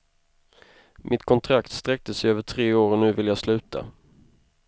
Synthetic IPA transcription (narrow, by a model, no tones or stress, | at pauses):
mʔɪt̪kʰɔnt̪ʰɾakt̪st̪ɾɛk̚t̪əsɛjøːvəʈʰɾeːoːɾənʉ̟ːvɪljaːslʉ̟ːt̪ʰa̰